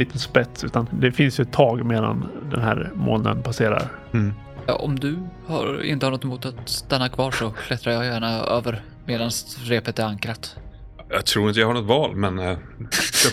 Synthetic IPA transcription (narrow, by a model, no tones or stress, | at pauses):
iːt̪ənspɛt̪sʉ̟ːt̪and̪ɛfɪnsjɵɛt̪ʰːɑːɡmeːd̪a̰nd̪ɛ̰nɦæːɾmo̰ːnə̰npʰaseːɾa̰ɾ | ɔ̰md̪ɵha̰ɾɪ̰nəhaɳnɔt̪ːmuːt̪at̪st̪anːakʰvɑːʂɔkʰlɛt̪ɾajɑjæːɳaøːvəɾ | meːd̪ansɾeːpət̪ɛɾaŋkɾat̪ | jɑ̰ɡt̪ʰɾuːɾɪnəjahaɳɔt̪vɑːlmɛn